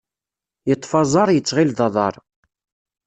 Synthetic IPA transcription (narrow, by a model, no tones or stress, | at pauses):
jət̪ˤːfɑzˤɑɾˤjət͡sːʁilðɑðˤɑ̰ɾˤ